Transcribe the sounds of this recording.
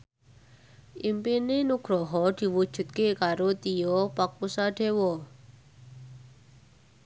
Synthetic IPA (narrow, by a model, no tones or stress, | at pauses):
impenenukʰɾoɦɔʈʰiʋut͡ʃʰut̪kekaɾot̪ijopakusaʈʰewo